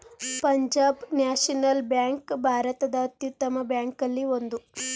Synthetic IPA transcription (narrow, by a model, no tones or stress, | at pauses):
pɐɲd͡ʒaːbnaːʂɐnɐlbjaːŋkbʱaːɾɐt̪ɐd̪ɐːt̪jut̪ːɐmɐbjaːŋkɐlːiʋond̪u